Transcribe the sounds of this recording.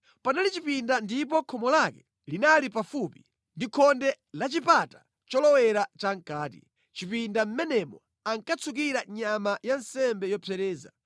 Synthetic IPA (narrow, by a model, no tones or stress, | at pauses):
panalit͡ʃipindandipɔkʰɔmɔlakɛ̥ | linalipafupi̥ | ndikʰɔndɛ | lat͡ʃipatḁ | t͡ʃɔlɔwɛɾat͡ʃaŋ̩kaːtḭ | t͡ʃipindam̩mɛnɛmɔ | aŋkat͡sʰuk̬iɾaɲamajan̩sɛmbɛjɔpʰɛɾɛːza̰